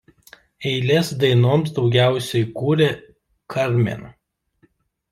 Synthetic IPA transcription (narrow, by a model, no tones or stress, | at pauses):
ɛɪlʲeːsd̪ɐɪnoːmsd̪ɒʊɡʲæˑʊsʲɛɪkuːɾʲe | kʰɐɾʲmʲḛn